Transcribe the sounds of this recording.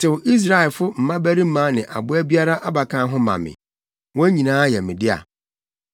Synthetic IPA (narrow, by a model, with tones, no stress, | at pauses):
tʰɪ˨wʔi˦s̬ɾa˨ɛ˨lfʊ˦m̩˨mã˦bæ˦ɾi˦m̩˦mã˨˦nɪ̃˨ʔa̰˨bʊ˦æ˦bi˦a˦ɾa˦ʔa˦ba˨kʰã˦ɦʊ̃˦mã̰˨mɪ̰̃˨ | wɔ̃˦æ˦ɲĩ˨nãː˦jɛ˨mɪ̃˨dɪ˦a̰˨